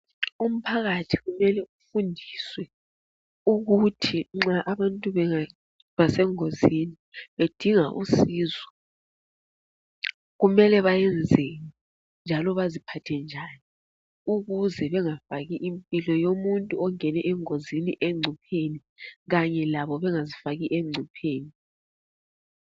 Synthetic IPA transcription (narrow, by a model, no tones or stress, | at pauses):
um̩pʰaɣatʰi̥ɣumɛlɛufundʱiswɛ | uɣutʰiŋ͡ǁaʔaβantʼuβɛa | βasɛŋoziniβed̥ʱiŋaʔṵsiːzɔ | ɣumɛlɛβajɛnd͡zʱeni | nd͡ʒʱalɔβazipʰatʰɛnd͡ʒʱani | uɣuzɛβɛŋafaɣiʔimpʼilɔjomuntʼuɔŋɛnɛʔɛŋoziniʔɛŋ͡ǀʱupʰeni | ɣaɲɛlaβɔβɛŋazifaɣiʔeŋ͡ǀʱupʰeːni